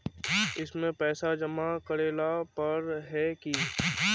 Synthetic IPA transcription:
ɪsmẽpɛːsad͡ʒɐmakɐɾeːlapɐɾɦɛki

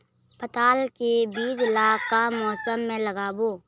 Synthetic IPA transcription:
pət̪aːlkebiːd͡ʒlaːkːamɔːsəmːẽləɡaːboː

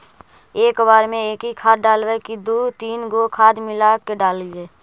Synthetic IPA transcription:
eːkbaːɾmẽeːkɦikʰaːd̪̚ɖaːlwekid̪oːt̪iːnɡokʰaːd̪mɪlakeɖaːlɪeː

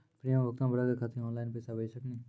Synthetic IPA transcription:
pɾiːãʋək̚t̪ãːbəɾaɡəkʰaːt̪ʰĩɔ̃ːnlaːɪnpɛːsaːbeːsəkniː

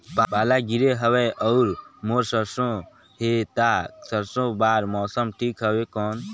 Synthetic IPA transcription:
pabaːlaɡiɾeɦəʋeʔɔɾmoːɾsəɾsõ | ɦet̪aːsəɾsõbaːɾmɔːsəmʈʰiːkɦəʋekɔːn

